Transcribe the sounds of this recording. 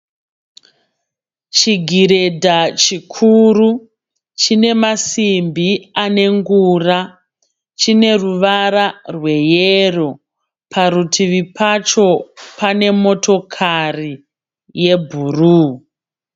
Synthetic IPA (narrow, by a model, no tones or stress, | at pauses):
t͡ʃiɡʱiɾe̞dʱat͡ʃikʰuru | t͡ʃine̞masimbiane̞ŋɡura | t͡ʃine̞ruʋaɾarwe̞jero̞ | pʰaɾutʰiʋipʰat͡ʃo̞pane̞mo̞tʰo̞kʰari | je̞bʱuruː